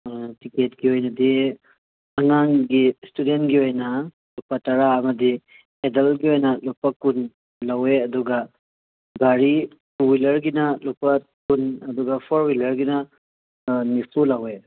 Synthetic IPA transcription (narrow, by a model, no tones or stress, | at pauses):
tiketɡiojnɐdi | ɐŋaŋɡistudentɡiojnɐ | lupɐtɐɾaɐmɐdi | edɐlɡiojnɐlupɐkun | laweɐduɡɐ | ɡaɾi | tuwilɐɾɡinɐlupɐ | kunɐduɡɐpʰɔɾwilɐɾɡinɐ | nipʰulawe